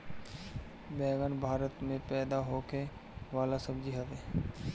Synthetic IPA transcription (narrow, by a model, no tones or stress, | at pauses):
bɛːɡənbʱaːɾət̪mẽpɛːd̪aɦoːke | ʋaːlasəbd͡ʒiɦəʋeː